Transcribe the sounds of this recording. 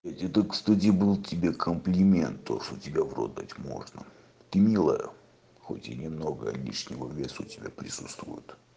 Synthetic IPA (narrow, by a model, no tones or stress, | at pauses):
nʲetʲɛt̪əkst̪at̬ʲɪbɨlˠtʲɪbʲekʰəmplʲɪmʲent̪ːo̞ʂt̪otʲɪbʲavro̰d̪atʲmo̞̰ʐnə̰ | t̪ɨmʲilˠəjə̰ | xo̞̰tʲɪnʲɪmno̞ɡə̰lʲḭʂnʲɪvəvʲesʊʊtʲɪbʲa̰pɾʲɪsut̪st̪vʊ̰jʊt̪